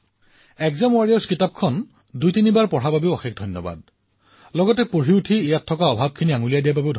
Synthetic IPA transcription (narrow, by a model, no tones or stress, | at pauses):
ɛkzamʊwaɹijɔskitap̚kʰɔn | dujtinibaɹpɔɹ̤ababeʊɔxekdʱɔjnːɔba̰d̚ | lɔɡɔtɛpoɹiutʰiːjatʰːɔkaɔbʱab̚kʰiniaŋulijadijababeʊdʱ